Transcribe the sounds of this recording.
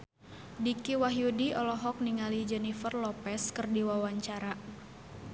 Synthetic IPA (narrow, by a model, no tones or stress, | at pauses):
dikiwaɦjudiɔlɔɦɔk̚niŋalid͡ʒɛnifərlɔpɛskərdiwawaɲt͡ʃaɾa